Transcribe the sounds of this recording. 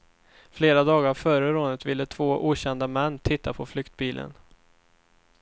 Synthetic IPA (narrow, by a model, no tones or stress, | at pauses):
fleːɾad̪ɑːɡaɾafœɾəɾoːnət̪vɪlːət̪ʰv̥oːʔuːɕɛnd̪amɛnːt̪ʰɪt̪ʰːapʰɔflʏkt̪̚biːlʔə̰n